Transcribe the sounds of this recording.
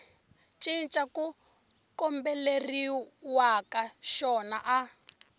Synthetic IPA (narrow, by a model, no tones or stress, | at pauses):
t͡ʃʼint͡ʃʼaku | kɔmbɛleri | wakaʃɔna̰ʔa